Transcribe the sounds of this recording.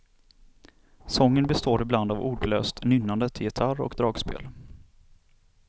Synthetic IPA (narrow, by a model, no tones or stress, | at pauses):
sɔŋːənbɛst̪oːɾɪbland̪avuːɖlø̰ːst̪nʏnːand̪ət̪ʰɪjɪt̪ʰaɾɔ̰kd̪ɾɑːɡspḛːl